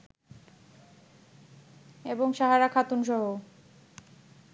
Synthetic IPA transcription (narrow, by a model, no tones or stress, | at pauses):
eboŋʃaɦaɾakʰat̪unʃɔɦo